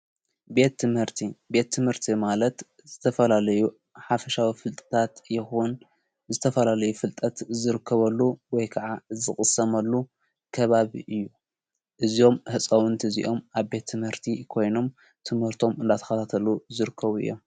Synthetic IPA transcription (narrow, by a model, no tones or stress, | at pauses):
bet̪ːɨmhɨɾt̪ʰibe̞t̪ʰːɨmhɨɾt̪ʰimalɐt̪ | z̥ɨt̪ʰɐfɐlalɐju | ħafɐʃawifɨlt̪ʼɐ̥t̪ʰat̪jɪxun | zɨt̪ʰɐfɐlalɐjufɨlt̪ʼɐt̪zɨɾɨkʰːɐβɐlːuwɔjkʰɐʕazɨxʼɨsɐmɐlːu | kʰɐβaβḭʔɨjːu | ʔɨzio̞mhɨt͡sʼɐwʊnt̪ʰɨzḭʔo̞mʔaβbe̞t̪ʰːɨmhɨɾt̪ʰikʰo̞jno̞m | t̪ʰɨmhɨɾt̪ʰo̞mɨnd̪at̪ʰɐ̥xɐt̪ʰat̪ʰɐluzɨɾɨkʰːɐβuɨ̰jːo̞m